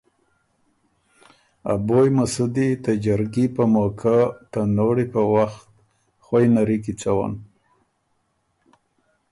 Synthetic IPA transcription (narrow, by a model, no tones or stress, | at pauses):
a̰bojmasud̪it̪ad͡ʒaɾɡipəmokʰat̪anoɽipəwaxt̪̚ | xwajnaɾikit͡sawa̰n